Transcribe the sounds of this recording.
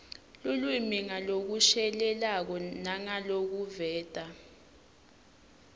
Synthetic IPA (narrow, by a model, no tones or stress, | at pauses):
lulwimiŋalok̬uʃɛlɛlak̬ɔnaŋalok̬uvɛːtʼa